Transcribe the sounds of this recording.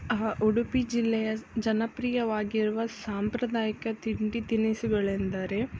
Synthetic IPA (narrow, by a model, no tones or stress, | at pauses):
uɽupid͡ʒilːɛjɐd͡ʒɐnɐpɾiːjɐʋaːɡiɾuʋɐsaːmpɾɐd̪aːjɐkɐt̪iɳɖit̪inisuɡɐɭend̪ɐɾe